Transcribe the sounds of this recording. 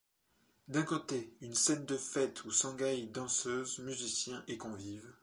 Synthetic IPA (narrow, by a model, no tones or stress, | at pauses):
d̪ɛ̃kot̪eynsɛnd̪əfɛt̪ʰusɑ̃ɡajd̪ɑ̃søzmyzisjɛ̃ʔekɔ̃viv